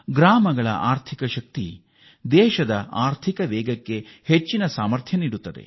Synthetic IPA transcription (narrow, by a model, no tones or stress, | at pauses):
ɡɾaːmɐɡɐɭɐ̰ʔaːɾt̪ʰikɐʃɐk̚t̪ḭ | d̪ɛːʃɐd̪ɐaːɾt̪ʰikɐʋɛːɡɐkːe̞het͡ʃːinɐsaːmɐɾt̪ʰjɐniːɽut̪ːɐd̪e̞̰